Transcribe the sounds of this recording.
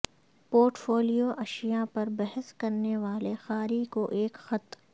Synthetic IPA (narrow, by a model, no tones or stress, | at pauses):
poːɾʈfoːlijoʔɐʃijapɐɾbɛɦəskɐɾneʋaːlexaːɾikoʔeːkxɐt̪